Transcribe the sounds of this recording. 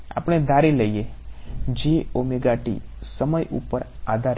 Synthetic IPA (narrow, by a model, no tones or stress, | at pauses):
a̰pəɳ̃ed̪ʱaɾiləije | d͡ʒeomiɡaʈḭsəməjʔṵpəɾad̪ʱaɾ